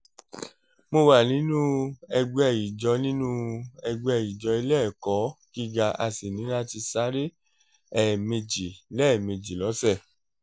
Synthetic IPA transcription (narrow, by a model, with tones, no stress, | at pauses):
mo˧wa˨nĩ˨˦nũ˦ɛ˧ɡ͡bɛ˧˨ji˨d͡ʒɔ˧˦nĩ˦nũ˦ɛ˧ɡ͡bɛ˧˨ji˨d͡ʒɔ˧˦i˧lɛ˦˨kɔ˨˦ki˦ɡa˧a˧si˨nĩ˨˦ɾa˦ti˧sa˦ɾe˦ | ɛ˨me˧d͡ʒi˨lɛ˦˨me˧d͡ʒi˨lɔ˨˦sɛ˦˨